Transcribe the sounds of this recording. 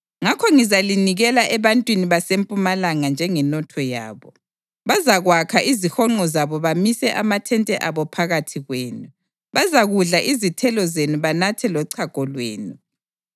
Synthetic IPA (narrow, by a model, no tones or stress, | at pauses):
ŋakʰɔŋizaliniɣɛlaʔɛβantʼwiniβasempʼumalaŋand͡ʒʱɛŋɛnɔtʰɔja̰ːβɔ | βazaɣwakʰaʔizixɔŋ͡ǃɔzaβɔβamisɛʔamatʰɛntʼɛʔaβɔpʰaɣatʰiɣweːnu | βazaɣuɮaʔizitʰɛlɔzenuβanatʰɛlɔǀʰaɡ̥ʱɔlwḛːnu